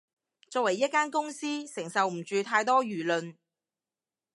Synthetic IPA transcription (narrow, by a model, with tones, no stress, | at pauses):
t͡sɔː˧kwɐ˨˩jːɐ˥t̚kaː˥nkʊ˥ŋsiː˥sɪ˨˩ŋsɐ˨wm̩˨˩t͡ʃyː˨˧t̪ʰaː˧jt̪ɔː˥ɥyː˨˩lɵ˨˧n